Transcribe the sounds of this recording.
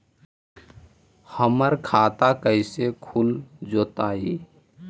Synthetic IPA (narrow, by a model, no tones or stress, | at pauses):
həməɾkʰaːt̪akəɪsekʰuld͡ʒoːt̪ai